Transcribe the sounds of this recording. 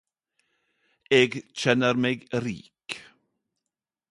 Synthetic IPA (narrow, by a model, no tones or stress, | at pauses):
ɛːɡt͡ʃʰɛnəɾmeːɡɾḭːk